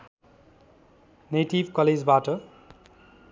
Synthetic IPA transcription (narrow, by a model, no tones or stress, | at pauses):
neʈibʱkʌled͡zbaʈʌ